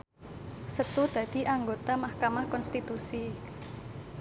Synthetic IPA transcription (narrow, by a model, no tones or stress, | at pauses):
sət̪ud̪̥ä̤d̪̥i̤ʔaŋɡot̪amahkamahkɔnst̪it̪usi